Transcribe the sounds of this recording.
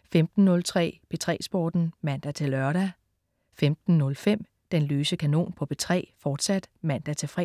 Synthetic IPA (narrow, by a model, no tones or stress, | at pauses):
femd̥n̩ːɔ̽lt͡sʰʁɛ̰ːpʰe̝t͡sʰʁɛ̰ːsb̥ɒ̰ːd̥n̩mæn̰d̥æt͡sʰe̝lɶɐɾ̥æ | femd̥n̩ːɔ̽lfem̰ | d̥enløːsəkʰæno̝̰ːnpʰɒ̽pʰe̝t͡sʰʁɛ̰ːfɒːd̥sæd̥mæn̰d̥æt͡sʰe̝lfʁɛ̰